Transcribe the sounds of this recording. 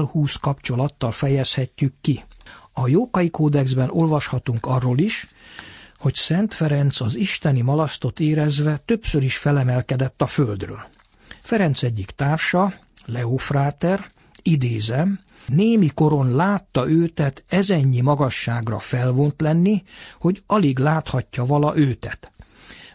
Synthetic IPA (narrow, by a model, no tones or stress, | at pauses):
lhuːskɒpt͡ʃo̞lɒt̪ːɒlfɛjɛshɛcːykːiɒjoːkɒjikoːd̪ɛɡzbɛno̞lvɒʃhɒt̪uŋkɒrːoːliʃ | ho̞csɛnt̪fɛɾɛnt̪sɒziʃt̪ɛnimɒlɒst̪o̞t̪eːɾɛzʋɛt̪øpsøɾiʃfɛlɛmɛlkɛd̪ɛt̪ːɒføld̪rø̰ːl | fɛɾɛnt̪sɛɟːikt̪aːrʃɒ | lɛofraːt̪ɛr | id̪eːzɛm | neːmiko̞ɾo̞nlaːt̪ːɒʔøːt̪ɛt̪ɛzɛɲːimɒɡɒʃːaːɡrɒ̰fɛlvont̪lɛnːiho̞ɟɒliɡlaːt̪hɒcːɒvɒlɒʔøːt̪ɛt̪